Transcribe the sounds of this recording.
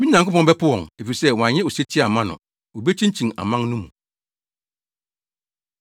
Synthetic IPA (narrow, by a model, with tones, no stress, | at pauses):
mĩ˦nã˨ŋkʰʊ˦pɔ̃˨m˦bɛ˦pʰʊ˦wɔ̰̃˨ŋe˨fi˨sɛ˦wɔ̃˨ã˨ɲɪ̃˦o˨se˦tʰɪ˦˨a˨mã˦nʊ̰̃˨ | o˨be˦t͡ɕʰĩ˦ɲ˦t͡ɕʰĩ˨ŋa̰˨mã˦nnũ˦mũ˨